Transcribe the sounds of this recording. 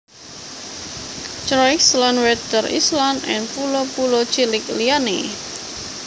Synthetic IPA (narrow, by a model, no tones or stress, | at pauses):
t͡ʃɾɔjkslanwɛd̪ərḭslanɛ̰npulɔpulo̥t͡ʃilɪk̚liane